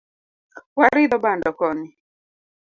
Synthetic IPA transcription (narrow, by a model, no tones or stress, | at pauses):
waɾɪdɔbandɔkɔnɪ